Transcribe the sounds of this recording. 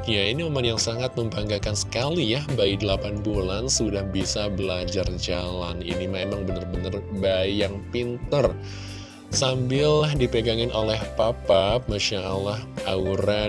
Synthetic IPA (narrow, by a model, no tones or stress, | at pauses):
jainimemanjaŋsaŋat̪̚məmbaŋɡakansə̥kalijahbaidəlapanbulansudahbisabəlad͡ʒard͡ʒalanḭnimemaŋbənərbənərbajaŋpint̪ər | sambɪldipəɡaŋɪnʔolɛhpapap̚maʃaalahʔauɾa